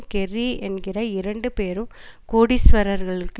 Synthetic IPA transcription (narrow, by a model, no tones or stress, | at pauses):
kɛriɛnɡɪrɐɪɾɐɳɖɯpeːɾɯmkoːɽisʋɐɾɐɾɣɐɭɯkː